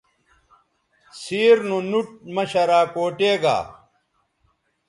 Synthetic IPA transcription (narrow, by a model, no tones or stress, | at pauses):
siːɾnunuʈ̚mɐɕɐɾaːkoːʈeːɡa̰ː